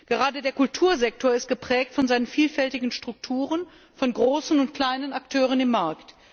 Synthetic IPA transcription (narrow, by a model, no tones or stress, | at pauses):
ɡ̥əʁaːdədeːɐkʊltʰuːɐzɛk̚tʰoːɐɪst̚ɡ̥əpʁ̥ɛːk̚tfɔnzaɪnənfiːlfɛltɪɡŋ̩ʃtʁ̥ʊk̚tʰuːʁən | fɔnɡʁoːsn̩ʊntkʰl̥aɪnənaktʰøːʁ̞ənɪmːaɐkt